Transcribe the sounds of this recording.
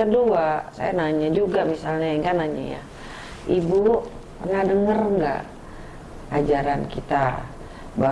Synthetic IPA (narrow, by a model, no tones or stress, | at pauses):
kəduasa̰janaɲad͡ʒuɡamisalɲaŋɡanaɲa̰ja̰ | ʔibu | pərnahdəŋərŋɡa̰ʔ | ad͡ʒaɾankit̪a | ba